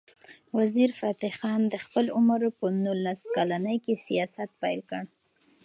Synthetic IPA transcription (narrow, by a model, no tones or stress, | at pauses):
waziɾfɑt̪ɪxɑnd̪əxpəlʊməɾpənulaskalanəjkesijɑsat̪̚pajlkəɽ